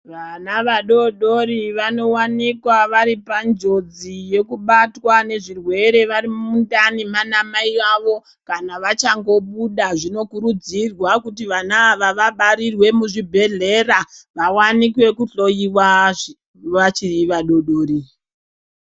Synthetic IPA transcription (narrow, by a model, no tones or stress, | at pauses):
ʋanaʋaɗo̞ɗo̞ɾiʋano̞wanikwaʋaɾipand͡ʒo̞d͡zije̞kuɓatwane̞ʐirwe̞ɾe̞ʋaɾimundanimanamaiaʋo̞ | kanaʋat͡ʃaŋɡo̞ɓuɗaʐino̞kuɾud͡zirwakutiʋanaʋaʋaɓaɾirwe̞muʐibʱe̞ɮe̞raʋawanikwe̞kuɬo̞jiwa | at͡ʃiiʋaɗo̞ɗoːɾi